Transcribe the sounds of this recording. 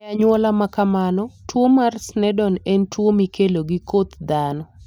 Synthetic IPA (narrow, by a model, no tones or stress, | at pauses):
aɲwɔlamakamanɔtwomarsnɛdɔnɛntwomikeloɡikot̪d̪anɔ